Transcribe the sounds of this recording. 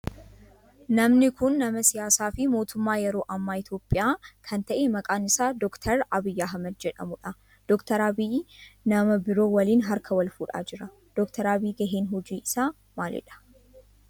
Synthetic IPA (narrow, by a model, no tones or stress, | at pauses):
nɐmnɪkʊnːɐmɐsɪjaːsaːfɪmo̞ːt̪ʊmːaːjɛɾo̞ːʔɐmːaːɪt̪jo̞ːpʼːɪjaːkʰɐnt̪ɐʔemɐkʼaːnɪsaːd̪ɔkt̪ʰɐɾɐbɪjːaːɦɐmɐd̪̚d͡ʒɛᶑɐ̰mʊᶑɐ | d̪̥ɔkt̪ɐɾabinɐmɐbɪɾo̞ːwɐliːnɦɐɾkʰɐwɐlfuːᶑa̰ːd͡ʒɪɾɐ | d̪̥ɔkt̪ʰɐɾaːbiːɡɐɦeːnɦɔd͡ʒiːʔɪsaː | maːlɛ̰ᶑɐ̥